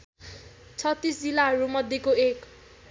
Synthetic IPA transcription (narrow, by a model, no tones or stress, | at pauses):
t͡sʰʌt̪ːisd͡zilaɦʌɾumʌd̪ʱjekoek